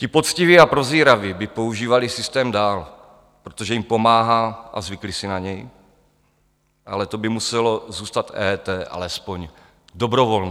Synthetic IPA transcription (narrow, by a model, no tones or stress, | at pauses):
cɪpo̞t͡sciviapɾoziːɾavɪbɪpo̞uʒiːvalɪsɪst̪ɛːmdaːl | pɾot̪oʒɛjimpo̞maːɦaːʔa̰zvɪklisɪnaɲɛj | ʔalɛt̪o̞bɪmusɛlo̞zuːst̪at̪ɛːt̪ɛːʔa̰lɛspo̞ɲ | do̞bɾovoln